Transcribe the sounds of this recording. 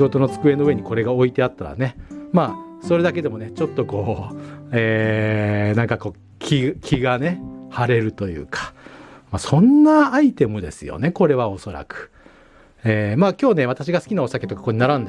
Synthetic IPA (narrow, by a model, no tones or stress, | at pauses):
ɡo̞t̪o̞no̞t͡sɨ̥kɯ̟e̞no̞ɯ̟e̞ɲ̟iko̞ɾe̞ɡao̞it̪e̞at̪ːaɾa̰ne̞maː | so̞ɾe̞d̪ak̬e̞d̪e̞mo̞net͡ɕo̞t̪ːo̞ko̞ː | eː | nãŋkako̞ː | kʲʰikʲʰiɡane̞haɾe̞ɾɯ̟t̪o̞jɯ̟̰ːkʰḁmasõ̞nːaːit̪e̞mɯ̟d̪e̞sɨjo̰ne̞ko̞ɾe̞β̞ao̞so̞ɾa̰kɯ̥ | eːmaːkʲo̞ːne̞β̞at̪aɕiɡasɨ̥kʲinao̞sake̞t̪o̞kḁkoɲinaɾãnd̪e